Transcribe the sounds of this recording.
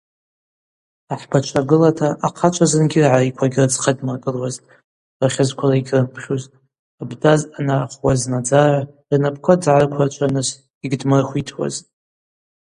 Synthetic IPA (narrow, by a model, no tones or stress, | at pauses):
aħbat͡ʃʷʰaɡɨlatʰaʔaqʰat͡ʃʷʰazɨnɡʲɪrʕarikʷʰaɡʲrɨd͡zqʰadmakʼɨlwaz | raχʲɪzkʷʰaraiɡʲʰrɨmpʰχʲuz | abdazanaχwaznad͡zara | rnapʰkʷʰad͡zʕarkʷʰart͡ʃʷʰanɨz | iɡdmɨrχʷitʰwa̰zʼ